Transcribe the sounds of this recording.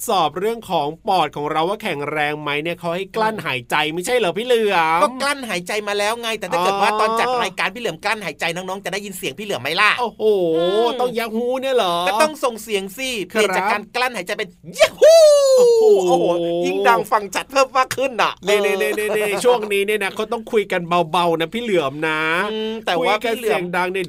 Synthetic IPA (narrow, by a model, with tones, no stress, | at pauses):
sɔː˨˩p̚ɾɯ˥˩əŋkʰɔː˩˦ŋpɔː˨˩t̪̚kʰɔː˩˦ŋɾa˧waː˥˩kʰɛ˨˩˦ŋɾɛː˧ŋma˦˥jni˥˩əkʰa˧˦˥wha˥˩jkla˥˩nɦaː˩˦jt͡ɕa˧jma˥˩jt͡ɕʰa˥˩jlɛː˨˦pʰiː˥˨lɯ˨˩əkɔː˥mkla˥˩nɦaː˩˦jt͡ɕa˧jmaː˧lɛː˦˥wŋa˧˩jt̪ɛ˨˩ʔʰa˥˧ɤ˨˩t̪waː˥˩t̪ɔː˧nt͡ɕa˨˩t̪̚ɾaː˧jkaː˧npʰiː˥˩lɯ˩˦əmkla˥˩nhaː˩˦jt͡ɕa˧jnɔː˦˥ŋnɔː˦˥ŋt͡ɕa˨˩daː˥˩ji˧nsi˨˩˦əŋpʰiː˥˩lɯ˩˦əma˦˥jlaː˥˩ʔoː˧˩hoː˨˩t̪ɔ˥˩ŋjaː˦˥k̚huː˦˥ni˥˩ɐlɔː˩˦ɛː˨˧t̪ɔ˥˩ŋso˨˩ŋsi˨˩˦əŋsiː˧˥˩pʰi˨˩t͡ɕaː˨˩kːaː˧nkla˥˩nhaː˩˦jt͡ɕa˧jpe˧nja˧˩hu˧˥˩ | ʔoː˧˨˦ji˥˩ŋdaː˧ŋfa˧ŋt͡ɕʰa˨˦t̪̚pʰɤː˥˩mːaː˥˩kʰɯ˥˩nʔa̰˨˩ʔniː˥˩ni˥˩ni˥˩ni˥˩i˧˥˩t͡ɕʰu˥˩əŋniː˦˥ni˥˩ɐna˦˥kʰa˦˥wt̪ɔ˥˩ŋkʰu˧jka˧nba˧wba˧wna˦˥pʰiː˥˩lɯ˨˩˦əmna˦˥ɯ˧t̪ɛː˨˩u˧waː˥˩kːa˧˥˩lɯ˩si˦əŋdaː˧ŋni˥˩ə